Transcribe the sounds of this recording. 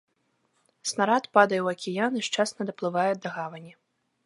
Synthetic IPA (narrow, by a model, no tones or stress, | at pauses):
snaɾat̪pad̪ɐjɛwɐkʲijanɨʂt͡ʂasnɐd̪ɐplˠɨvajɛd̪ɐɣavɐnʲi